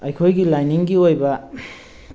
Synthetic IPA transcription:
ajkʰojɡilajniŋɡiojba

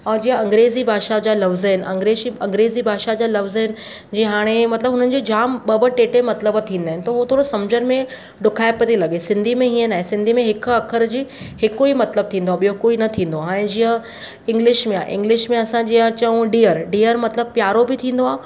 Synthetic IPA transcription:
ɔːd͡ʑiːə̃ɐ̃ŋɡɾeːzibʱaːʃad͡ʑaːlɐʋzəɦɪn̆ʔɐ̰̃ŋɡɾeːʃiɐ̃ŋɡɾeːzibʱaːʃad͡ʑaːlɐʋzəɦɪnɪ̆ | d͡ʑĩːɦaːɽ̃emɐt̪ləbɦʊnənɪ̆d͡ʑid͡ʑaːmɓɐbəʈeːʈemɐt̪ləbt̪ʰĩːnd̪aːɦɪnɪt̪ɐɦut̪ʰoːɽosɐmd͡ʑənmẽ | ɖʊkʰaːɪpɐt̪ilɐɠesɪ̃nd̪ʱimẽɦĩːə̃naːɦẽsɪ̃nd̪ʱimẽɦɪk̆ʰɐkʰəɾd͡ʑiː | hɪkoimɐt̪ləb̚t̪ʰĩːn̆d̪oaːɓijokoːinɐt̪ʰĩːn̆d̪oaɛ̃ːd͡ʑĩːə̃ | ɪ̃ŋɡlɪʃmẽa̰ːʔɪ̃ŋɡlɪʃmẽɐsãd͡ʑijt͡ɕɐũɖiːəɾɖiːəɾmɐt̪ləb̚pjaːɾobɪt̪ʰĩːn̆d̪oaː

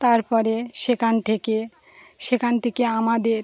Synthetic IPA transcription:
t̪aɾpɔɾeʃekʰant̪ʰeke | ʃekʰant̪ʰekeamad̪eɾ

